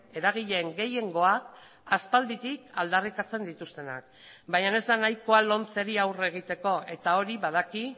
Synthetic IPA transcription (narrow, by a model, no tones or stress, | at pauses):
e̞ɾaɣ̞iʎe̞ŋɡe̞je̞ŋɡo̞ak̚ | aspald̪it̪ikald̪arikat͡se̞nd̪it̪ust̪e̞na̰k̚ | baɲane̞zd̪anajko̞alo̞nt͡se̞ɾiawre̞ɣ̞it̪e̞ko̞ʔe̞t̪ao̞ɾiβað̞aki